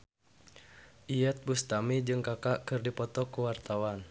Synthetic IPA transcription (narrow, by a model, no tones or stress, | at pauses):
ʔijat̪̚bust̪amid͡ʒɨŋkakaʔkɨrdipɔt̪ɔkuwart̪awan